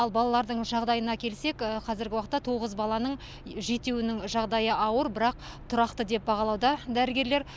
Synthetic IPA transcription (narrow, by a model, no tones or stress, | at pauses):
ɑlˠbɑlˠɑlˠɑɾd̪əɴʒɑʁd̪ɑjənɑkʲʰe̞lse̞kəqʰɑzɪɾɡʲɪwɑqət̪ːɑt̪ʰo̞ʁəzbɑlˠɑnəɴ | ʒe̞t̪ewɪnɪŋʒɑʁd̪ɑjəɑwəɾbɪɾɑq̚ | t̪ʰʊɾɑqt̪əd̪e̞p̚bɑʁɑlˠɑwd̪ɑd̪æɾɪɡʲe̞ɾle̞ɾ